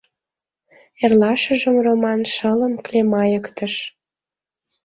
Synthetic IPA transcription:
erlɑʃəʒəmromɑnʃələmklemɑjəkt̪əʃ

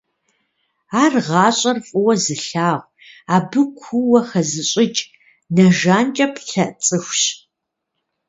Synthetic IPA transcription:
aːrʁɑːɕʼɐrfʼɨwɐzɨɬaːʁʷ | aːbɨkʷʰuwɐxɐzɨɕʼɪt͡ʃʼ | nɐʒaːnt͡ʃʼɐpʰɬɐʔt͡sʼɨxʷɕ

